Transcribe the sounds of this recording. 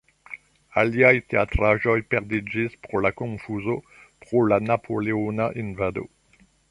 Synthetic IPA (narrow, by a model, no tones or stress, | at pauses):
aljajt̪eat̪χaʒɔjpɛʁd̪ed͡ʒizpχolakɔ̃fuzo | pχolanapʰoleonaʔinvad̪o̰